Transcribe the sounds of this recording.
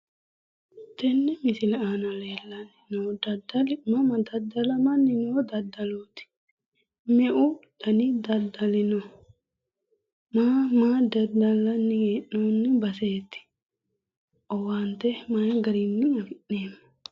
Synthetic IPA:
t̪ɛnːɪmɪsɪlaːnɐleːlːɐnːɪnod̪ɐd̪ɐlmɐmɐd̪ɐd̪ːɐlɐmɐnːɪnoːd̪ɐd̪ːɐloːt̪ɪ̥ | mɛʔʊd̪̥ɐnɪd̪ɐd̪ɐlɪno | maːmaːd̪ɐd̪ɐlːɐnːɪɡeʔnoːnːɪbɐseːt̪ːɪ̥ | ʔɔwant̪ɛmajɡɐɾinːɪɐɡɪʔːeːmː

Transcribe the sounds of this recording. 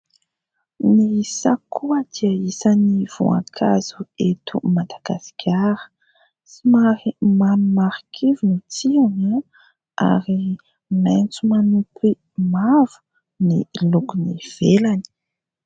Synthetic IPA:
nisakʰuəd̪̥iaisaniv̥ṵã̰kʰaz̥uet̪ʰṵmad̪aɡasi̥kʲʰaɾə̥ | simaɾimanumaɾikʰivinit͡siaŋa | a̰ɾi | ment͡sumanupʰi | mav̥u̥ | nilukuniv̥elani̥

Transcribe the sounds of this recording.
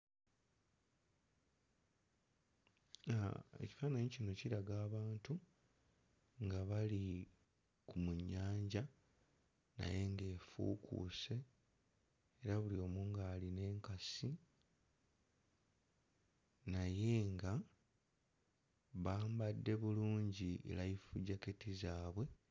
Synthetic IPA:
e̞̰ci̥faːnaɲicino̞ciɾaɡaːβaːntu | ŋɡaβali | kumuɲːaːɲɟa | na̰je̞ŋɡe̞ːfṵːkʰṵse̞ | ɾaβulio̞ːmuŋɡaːline̞ːŋkasi | naje̞ŋɡa | βaːmbadːe̞βuluːɲɟiʔḛlajifuɟaketizaːβwe̞

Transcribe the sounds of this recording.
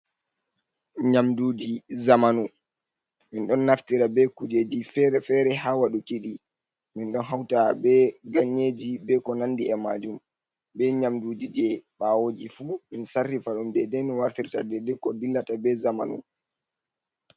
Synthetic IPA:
ɲamduːd͡ʒizamanu | minɗɔnːaftiɾabɛkud͡ʒed͡ʒifɛɾɛfɛɾɛɦawaɗukiɗi | minɗɔnɦawtabɛɡaɲːed͡ʒibɛkɔnandiɛmad͡ʒum | bɛɲamdud͡ʒid͡ʒɛɓawod͡ʒifuminsarːifaɗumdɛdɛmiwaɾtiɾtadɛdɛkɔdilːatabɛzama̰nṵ

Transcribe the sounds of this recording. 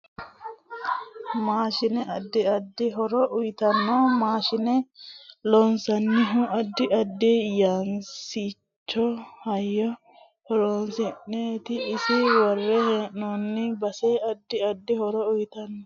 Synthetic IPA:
maːʃɪnɛʔɐd̪ːɪɐd̪ːɪɦɔɾɔʔʊjt̪ɐnːoːmaːʃɪnɛlɔnsɐnːɪɦʊɐd̪ːɪɐd̪ːejaːnsi | t͡ʃt͡ʃːɔhɐjːɔ | hɔɾoːnsɪʔːeːt̪ɪːsɪwɐrːɛheːʔnonːɪbɐseɐd̪ːɪɐd̪ːɪhɔɾɔʊjt̪ɐnːɔ

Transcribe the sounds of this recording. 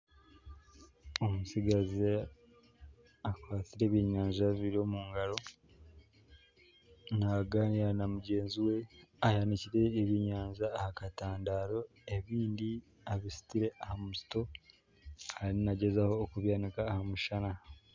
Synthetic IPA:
omusiɡaze | akwaːtiɾe̞ːβjiɲaːɲʒaβiɾo̞muːŋɡalo̞ | naɡaːnianamuɟe̞ːnziwe̞ajaniciɾe̞ːβiɲaːɲzahakataːndaːɾo̞ | e̞βiːndi | aβisi̥tiɾe̞ʔahamusi̥to̞ | aɾinaɟe̞zaho̞ːkuβjaːnikaːhamuʃana

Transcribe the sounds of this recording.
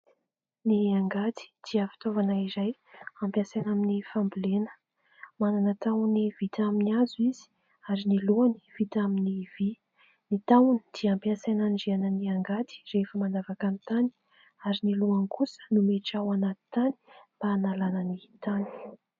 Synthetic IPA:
niaŋɡat̪i̥d̪̥iəfi̥t̪ovanaizaj | ampjãsenaminifambulenə̥ | mananət̪awnivit̪aminiazuizi̥ | aɾiniluani̥v̥it̪aminivi | nit̪awuni̥d̪̥iampjasenaniɖ͡ʐeanəniaŋɡat̪i̥refəmanavakanit̪ani̥ | aɾiniluankusə̥numeʈ͡ʂawanat̪i̥t̪ani̥mb̥aːnalanənit̪ani̥

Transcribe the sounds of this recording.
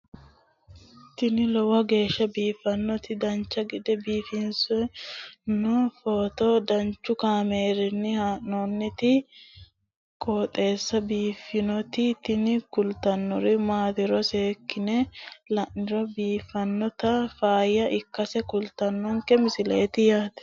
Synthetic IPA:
t̪ɪnɪlɔwɐɡe̞ːʃːɐbiːfɐnːɔt̪ɪd̪ɐnt͡ʃːɐɡɪd̪ɛbiːfɪns | nɔfoːt̪od̪ɐnt͡ʃːʊkaːmeːɾɪnːɪhaːnɔnːɪt̪ɪ | kʼoːt̪ʼe̞ːsːɐbiːfːɪnɔt̪ɪt̪ɪnɪkʊlt̪ɐnːɔɾɪmaːt̪ɪɾɔseːkːɪnɛlɐʔɪɾɔbiːfɐnːɔt̪ɐfaːjɐʔɪkːɐsɛkʊlt̪ɐnːɔŋkɛmɪsɪlḛːt̪ɪjaːt̪ɛ̥

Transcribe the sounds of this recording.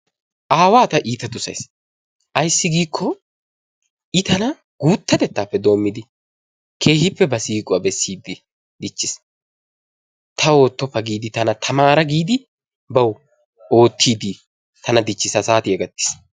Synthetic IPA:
ʔaːwaːt̪ɐʔiːt̪ɐt̪ʊsɐ̰js | ʔɐjsːɪɡiːkʰːɔ | ʔɪt̪ɐnɐ | ɡ̥uːt̪ːɐt̪ɛt̪ːaːpːɛd̪o̞ːmːɪd̪ɪ | kʰe̞ːhɪpːɛbɐsiːkʼʊɐbɛsːiːd̪ɪ | d̪ɪt͡ʃːɪs | t̪ʰɐo̞ːt̪ːɔpːɐɡiːd̪ɪt̪ɐnɐt̪ʰɐmaːɾɐɡiːd̪ɪ | bɐw | o̞ːt̪ːiːd̪ɪ | t̪ɐnɐd̪ɪt͡ʃːɪsɐsaːt̪ɪɛɡɐt̪ːɪ̥s

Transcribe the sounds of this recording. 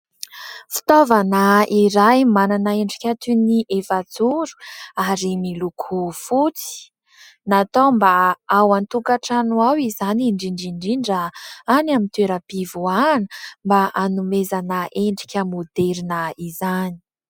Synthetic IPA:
fi̥t̪ovanaiɾajmananaeɳɖ͡ʐi̥kʲat̪uniʔefad͡zuɾu̥aɾimilukʰufut͡si̥ | nat̪ombaawant̪ukaʈ͡ʂanwawizaniɳɖ͡ʐiɳɖ͡ʐiɳɖ͡ʐiɳɖ͡ʐaanamint̪weɾəpivuanəmbaʔanumezanaʔeɳɖ͡ʐi̥kʲəmod̪eɾinaizani̥

